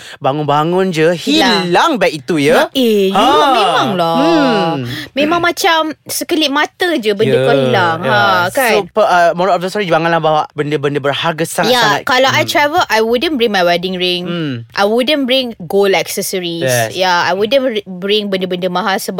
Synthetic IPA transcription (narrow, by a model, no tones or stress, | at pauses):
baŋʊnbaŋʊnd͡ʒəhialaŋbɛkit̪ujəejuamẽmãŋla | mẽmãŋmat͡ʃamsəkəliʔ̚mat̪əd͡ʒəbəndəpədaŋasopəəmɔɾɔp̚səsɔɾid͡ʒbaŋanlahbawaʔbəndəbəndəbərhaɡasajaaa̰kalawʔajt̪ɹɛvəlʔajwudə̃nbɹĩŋmajwɛdɪ̃ŋɹɪŋʔa̰jwudə̃nbɹɪ̃ŋɡolɛksəsəɹisjaajwudə̃nbɹɪŋbəndəbəndəmãɦasəb